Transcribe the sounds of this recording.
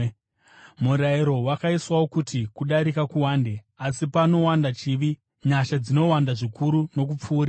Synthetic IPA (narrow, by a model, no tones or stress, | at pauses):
muɾaiɾo̞wakaiswawo̞kutikuɗaɾikakuwaːnde̞ | asipano̞wandat͡ʃiʋi | ɲaʃad͡zino̞wandaʐikuɾuno̞k̬up͡fuːɾa